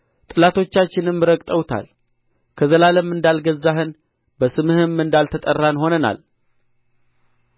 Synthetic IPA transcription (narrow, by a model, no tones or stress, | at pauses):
t̪ʼɨlat̪ʰo̞t͡ʃːat͡ʃːɪnɨmːɨɾəkʼt̪ʼəwt̪ʰa̰l | kʰəzəlaləmːɨnd̪alɡəzːaɦɨn | bəsɨmɨhɨmːɨnd̪alt̪ʰət̪ʼərːanho̞nəna̰l